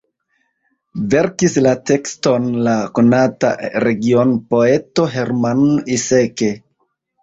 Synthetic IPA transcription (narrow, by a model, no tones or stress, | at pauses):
ve̞ɾkislate̞ksto̞nlako̞nata̰ɾe̞ɡio̞npo̞e̞to̞ɦe̞ɾmanise̞ke̞